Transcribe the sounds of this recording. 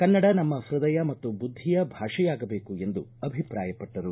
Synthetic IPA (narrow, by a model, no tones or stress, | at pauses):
kɐnːɐɽɐnɐmːɐhɾɐd̪ɐjɐmɐt̪ːubud̪ʱːijɐbʱaːʂɛjaːɡɐbe̞ːkue̞nd̪uɐbʱipɾaːjɐpɐʈːɐɾu